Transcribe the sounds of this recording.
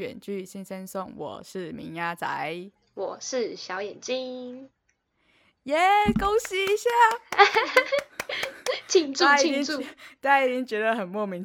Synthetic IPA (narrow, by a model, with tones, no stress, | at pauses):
ɥɛ̰˨˩nt͡ɕy˥˩ɕi˥nsə˦nsʊ˥˩ŋwɔ̰˨˩ʂɻ̩˥˩mḭ˧˥ŋja˦˥t͡sa̰˧˦ɪ | wɔ˨˩ʂɻ̩˥˩ɕjɑ˧˥ʊjɛ˨˩nt͡ɕi˦ŋ | jɛ˨˦ko˥ʊɕi˥i˧˥ɕja˥˧˨ | t͡ɕʰi˨˩ŋu˥a˧i˧i˨˩i˥u˥˨t͡sa˥˧ɪi˨˥˩t͡ɕi˧˥ŋt͡ɕɥɛ˧˥d̪ə˨xə˨˩nmwɔ˥˩mi˧˥ŋ